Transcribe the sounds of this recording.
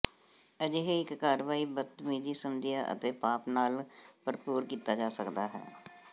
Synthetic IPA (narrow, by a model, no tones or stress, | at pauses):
əd͡ʒeɦeɪkːaːɾʋaːiːbət̪miːd͡ʒiːsəmd̪ɪjaːʔə̰t̪eːpaːpnaːlpəɾpuːɾkiːt̪aːd͡ʒaːsəkd̪aːɦɛ̰ː